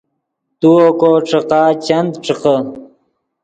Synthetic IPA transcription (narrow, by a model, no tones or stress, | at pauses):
t̪uokoːʈ͡ʂəqaːt͡ɕɐnd̪ʈ͡ʂəqə